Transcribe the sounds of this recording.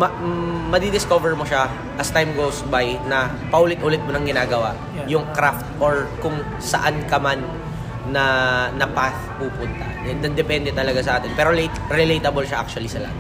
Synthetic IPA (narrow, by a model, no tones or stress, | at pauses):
mɐmɐd̪id̪ɪskovɛɹmoʃa | ʔɐst̪ajmɡowsbajnɐ | pɐʔuːlɪt̪ʔʊlɪt̪̚monɐŋɡɪnaːɡɐwa̰ʔ | jʊŋkɾaft̪̚ʔoɹkʊŋ | sɐ̰ʔankɐmanː | ɐnɐpaθpuːpʊnt̪ɐ̰ | ɛd̪ɐd̪ɛpɛnd̪ɛt̪ɐlɐɡas̬ɐʔaːt̪ɛnpɛːɾolet̪ɾɛlejt̪ɐbolʃaʔa̰k̚t͡ʃʊɐlisɐla̰m